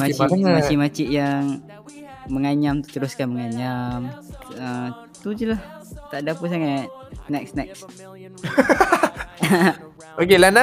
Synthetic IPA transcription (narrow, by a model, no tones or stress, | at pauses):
at͡ʃiat͡ʃimat͡ʃiʔjaŋ | məŋaɲamt̪u̥t̪əɾuskanməŋaɲamə | t̪ud͡ʒəlah | t̪aʔdapəs̬aŋat̪̚nɛksnɛks | ʔokelana